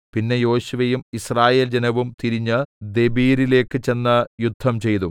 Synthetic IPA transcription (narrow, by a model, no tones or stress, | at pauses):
pinːe̞jo̞ːɕuʋɐjumisraːje̞ːld͡ʑenɐʋumt̪iɾiɲːɨd̪e̞biːɾile̞ːkːɨt͡ɕe̞nːɐjud̪ʱːɐmt͡ɕe̞jt̪u